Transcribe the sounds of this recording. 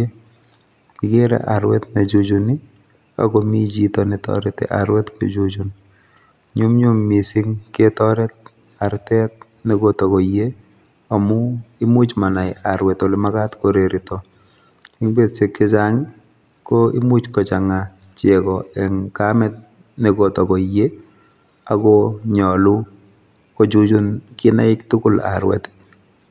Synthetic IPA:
e | kɪɡeɾɛ̰ʔa̰ɾwɛ̰tnad͡ʒud͡ʒuni | a̰ɡɔmid͡ʒitɔnitɔ̰ɾɛtɛ̰ʔa̰ɾwɛtko̰d͡ʒud͡ʒun | ɲumɲumːisɪŋketɔɾɛt̚ | aɾtɛt̚ | niɡotokɔje | amʊɪmut͡ʃmanajaɾwɛtɔlɪmakatkoɾeɾɪtɔ | ɪŋbetsɪkːɪt͡ʃaŋ | kɔɪ̰mut͡ʃkɔt͡ʃaŋa | t͡ʃɛkɔɛŋkamɛt̚ | niɡɔtɔkɔje | akɔɲɔlu | kɔt͡ʃut͡ʃunkɪna̰ɪktʊkʊla̰ɾwɛ̰t

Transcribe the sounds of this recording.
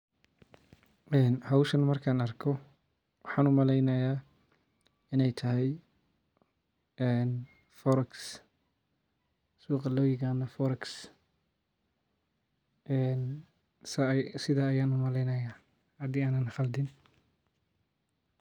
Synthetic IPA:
ʔɛːnhɐwʃɐnmɐrkʰaːnɐrkʰɔ | wɑħɑːnʊmɐlɛjnɐjaː | ɪnɛjt̪ʰɐɦɛj | ɛːn | fɔɾɐks | suːqɑlɔjɪɣaːnɐfɔɾɐks | ɛn | sɐsɪðaːɐjaːnʊmɐlɛjnɐjaː | hɐd̪iːaːnɐnχɐld̪ɪn

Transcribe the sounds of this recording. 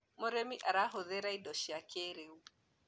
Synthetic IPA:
mɔɾemiʔaɾaɦoðeɾaidɔʃiakʰeɾeu

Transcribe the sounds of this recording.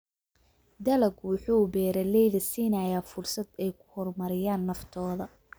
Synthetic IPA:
d̪ɐlɐɡwʊħuːbɛːɾɐlɛjðɐsiːnajaːfʊrsɐd̪ɛjkʰʊ̥hɔrmɐɾɪjaːnːɐft̪ʰɔːðɐ

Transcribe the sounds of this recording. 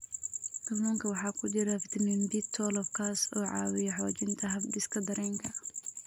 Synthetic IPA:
t̪ɐmɔːŋkʰɐwɑħɑːkʰʊd͡ʒɪɾɐfɪt̪ʰɐmɛmbit̪ʰːɔːlɔb̚kʰaːsɔːʕɑ̰ːwɪjɛħɔːt͡ʃɪnt̪ʰɐɦɐbdɪskʰɐd̪ɐɾɛːŋkʰɐ

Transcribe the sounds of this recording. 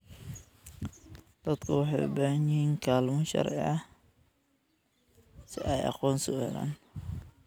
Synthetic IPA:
d̪̥ɐd̪kʰʊwɑħɑ̰j̰bɐnjɪhiːŋkʰaːlmɔʃɑ̰ɾʕɪ̰ʕɐ | sɪʔɛjɑ̰qɔːnsɔhɛ̰la̰ːn

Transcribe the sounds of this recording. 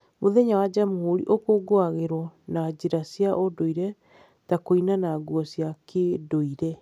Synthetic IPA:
moðɛɲawad͡ʑamuhoɾḭʔokoɡoaɣeɾwɔnad͡ʑeɾasiaʔodoiɾɛ | takoinanaɡuɔsiakʰedoiɾɛ

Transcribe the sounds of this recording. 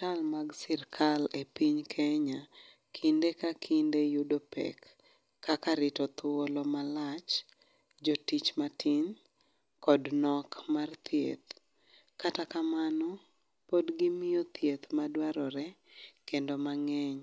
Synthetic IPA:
talmaɡsɪrkʰalepiɲkʰɛɲa | kʰindekakʰindejudopɛ̰kː | akaɾɪtɔt̪wolɔmalat͡ʃ | d͡ʒotit͡ʃmatʰiɲ | kɔdnɔkmart̪jḛt̪ | katakamanɔ | podɡɪmɪjot̪ʰjet̪madwaɾɔɾɛkendomaŋɛɲ

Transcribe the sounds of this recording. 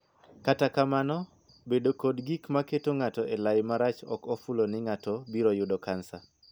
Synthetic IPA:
katakamanɔ | bedokodɡikmaketoŋatɔʔelajmaɾat͡ʃɔ̰kofulonɪŋatɔbiɾojʊdɔkansa

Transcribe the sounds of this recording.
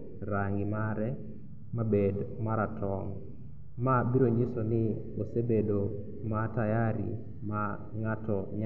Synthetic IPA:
ɾaŋɡɪmaɾɛ | mabedmaɾatʰɔŋ | mabiɾoɲɪsɔnɪ | osebedo | matajaɾḭ | ma | ŋatɔɲa

